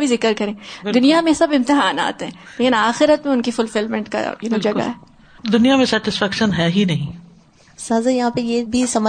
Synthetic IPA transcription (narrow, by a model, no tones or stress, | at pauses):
bʱizɪkəɾkɐɾẽːd̪ʊnijamẽsɐbɪ̃mt̪ɪɦaːna̰ːt̪ɦɛ̃leːkɪnaːxɪɾət̪mẽʊnkifʊlfɪlmɛ̃ɳʈka̰jaːnĩd͡ʒɐɡa̰ɦɛː | d̪ʊnijamẽsɛːʈɪsfɛːkʃənɦɛːɦinɐɦĩ | saːzajɐɦãːpejeːbʱisɐmə